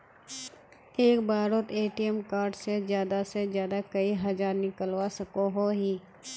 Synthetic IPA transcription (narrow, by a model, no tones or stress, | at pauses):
eːkbaːɾot̪eːʈiɛmkaːɾɖsezjaːd̪asezjaːd̪akɐiɦɐzaːɾnɪkəlwasɐkoɦoɦiː